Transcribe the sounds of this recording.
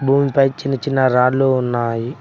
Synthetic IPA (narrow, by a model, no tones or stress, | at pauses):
bʱuːmipɐjt͡ʃinːɐt͡ʃinːɐɾaːɽloːunːaːji